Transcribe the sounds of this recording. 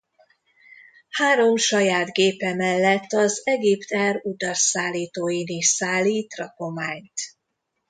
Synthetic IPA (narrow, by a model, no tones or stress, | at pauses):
haːɾo̞mʃɒjaːd̪ɡeːpɛmɛlːɛt̪ːɒzɛɡipt̪ɛrud̪ɒrsaːlːiːt̪oːjiniʃsaːlːiːt̪rɒko̞maːɲt̪